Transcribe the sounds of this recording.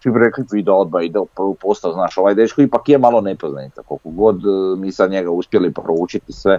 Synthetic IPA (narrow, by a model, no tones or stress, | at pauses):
t͡ʃibiɾeklit̪id̪ood̪baid̪eopupost̪aoznaːʃo̞ʋajd̪et͡ʃkoipakjemalˠo̞nepoznait̪akolkoɡo̞d̪miːsad̪ɲeɡauspjelipɾout͡ʃit̪isʋe̞